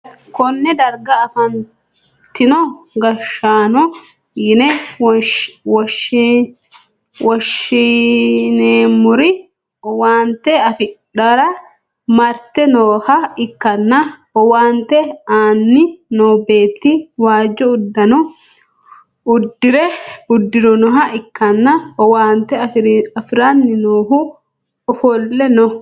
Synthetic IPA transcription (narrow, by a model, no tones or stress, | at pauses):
kɔnːɛd̪ɐɾɡɐːfɐn | t̪ːɪnɔ | ɡɐʃːaːnɔ | jɪnɛ | wɔʃ | wɔʃɪneːmʊɾɪ | waːnt̪ːɛɐfɪᶑɐɾɐ | mɐɾt̪ːɛnoːhɐɪkːɐnːaɔwaːnt̪ɛaːnːɪnoːbe̞ːt̪ːiwaːd͡ʒːɔʊd̪ːɐnɔ | ʊd̪ːɪɾɛʊd̪ːɪɾɔnɔɦɐʔɪkːɐnːɐɔwaːnt̪ɛɐfɾɐfɪɾanːɪnoːhʊ | ɔfɔlːɛnɔ